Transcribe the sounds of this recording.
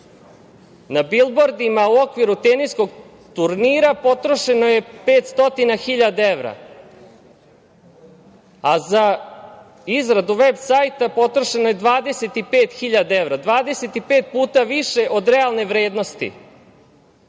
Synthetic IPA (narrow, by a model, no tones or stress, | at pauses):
nabilˠboɾd̪imauo̞kʋiɾut̪eniskoɡ | t̪uɾniːɾapo̞t̪ɾo̞ʃe̞noje̞peːt̪st̪o̞t̪inaxiʎad̪ae̞ʋɾa̰ | aza | izɾad̪uʋe̞bsajt̪apo̞t̪ɾoʃenoje̞d̪ʋaːd̪e̞se̞t̪ipeːt̪xiʎad̪ae̞ʋɾad̪ʋaːd̪e̞se̞t̪ipeːt̪̚puːt̪aʋiʃe̞ʔo̞d̪ɾealˠne̞ʋɾe̞ːd̪no̞st̪ḭ